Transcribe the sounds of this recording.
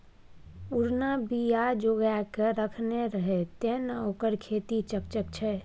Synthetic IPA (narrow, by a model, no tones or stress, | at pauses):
uɾnabijad͡ʒoɡjakeɾəkʰneɾəɦɛt̪enoːkəɾkʰet̪it͡ʃək̚t͡ʃəkt͡ʃʰɛ